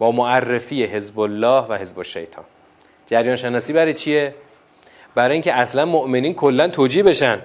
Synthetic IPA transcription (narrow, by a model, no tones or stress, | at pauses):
bɒːmoʔærːe̞fiːjeɦe̞zbolːɒːhvæhe̞zboʃːḛjt̪ʰɒ̰ːn | d͡ʒæɾjɒːnʃenɒːsiːbæɾejt͡ʃʰie | bæɾɒːjiŋcʰeæslænmoʔme̞niːnkʰolːænt̪ʰoːd͡ʒiːhbe̞ʃænd̪